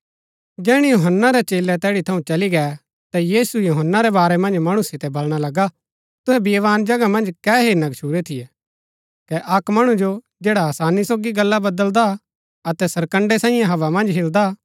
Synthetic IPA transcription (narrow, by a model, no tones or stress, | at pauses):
d͡ʒɛːɽ̃ijoɦənːaɾɛt͡ʃeːlɛt̪ɛːɽit̪ʰɐũt͡ʃɐliɡɛː | t̪ajiːsujoɦənːaɾɛbaːɾɛmɐ̃nd͡ʒmɐɽ̃usɪt̪ɛbɐlɽ̃alɐɡa | t̪ʊɦɛbiʋaːnd͡ʒɐɡamɐ̃nd͡ʒkɛːɦeːnɐɡt͡ʃʰuːɾet̪ʰɪjɛ | kɛʔɐkmɐɽ̃ũd͡ʒo | d͡ʒɛːɽaɐsaːnisoːɡiɡɐlːabɐd̪əld̪a | ɐt̪ɛsɐɾkə̃ɳɖesãːɪ̃jãɦɐʋamɐ̃nd͡ʒɦɪld̪a